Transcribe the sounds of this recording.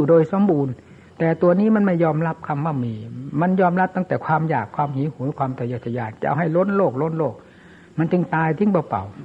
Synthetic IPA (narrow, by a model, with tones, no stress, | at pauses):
uː˨˩doː˧jso˨˦mbuː˧n | t̪ɛː˨˩t̪u˧ɐniː˦˥˨ma˧˨nma˧˥˩jɔː˧mla˦˥p̚kʰa˧˩mːa˧˩miː˧˩ma˧˥˨njɔː˧˨mla˦˥p̚t̪a˧˥˩ŋt̪ɛː˨˩kʰwaː˧mjaː˨˩kʰːwaː˧˨mhiː˨˦huː˨˩˦kʰwaː˧˨mt̪ɔː˧˩joː˧˩t̪ʰa˧jaː˧˩nt͡ɕa˧ʔa̰˧wɦa˨˩jlo˧˥˨nloː˧˩k̚lo˧˥˨nloː˧˩k̚ | ma˧˨ntɯ˧˩ŋt̪aː˧jt̪ʰi˧˥˨ŋbɔː˧˩pa̰˨˩w